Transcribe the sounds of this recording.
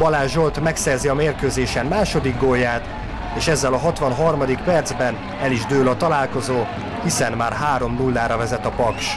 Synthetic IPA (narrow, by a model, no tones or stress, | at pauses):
ɒlaːʒo̞lt̪mɛksɛrziɒmeːrkøːzeːʃɛmmaːʃo̞d̪iɡɡojːaːt̪ | eːʃɛzːɛlɒɦɒt̪ʋɒnɦɒrmɒd̪ik̚pɛrd̪zbɛn | ɛliʒd̪øːlɒt̪ɒlaːlko̞zoː | hisɛnmaːrɦaːɾo̞mnulːaːɾɒvɛzɛt̪ɒpɒkʃ